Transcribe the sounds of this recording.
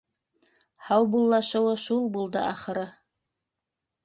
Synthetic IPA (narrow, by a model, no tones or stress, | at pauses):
hɑwbulˠːɑʃɤ̆wɤʃulˠbulˠd̪ɤʔɑχɤ̆ɾɤ